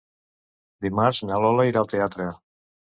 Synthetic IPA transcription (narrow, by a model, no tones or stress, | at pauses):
d̪imaɾznalolaiɾalt̪eat̪ɾea